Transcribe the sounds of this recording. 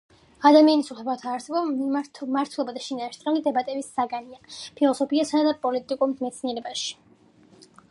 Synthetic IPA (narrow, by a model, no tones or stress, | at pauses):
ad̪amianisuχɛbat̪ʰaːɾsɛbɔitʰmaɾt̪ʰwɛlˠɔbad̪aʃinaʃt̪ʼɾɛlid̪ɛbat̪ʼɛbisːaɡaniapʰilˠɔsɔpʰiasaad̪apʼɔlit̪ʼikʼuɾmɛt̪sʰniɛɾɛbaʃi̥